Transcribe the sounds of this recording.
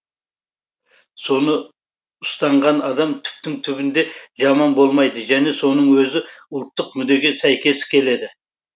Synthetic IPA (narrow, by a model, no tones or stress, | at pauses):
so̞nə | ʊst̪ɑɴʁɑnɑd̪ɑmt̪ʰʏ̥p̚t̪ɪŋt̪ʰʏbɪnd̪e̞ʒɑmɑnbo̞lˠmɑjd̪əʒæne̞so̞nəɴwɵzɪʊlˠt̪ːəqmʏd̪e̞ɡʲe̞sæjkʲe̞skʲʰe̞le̞d̪ɪ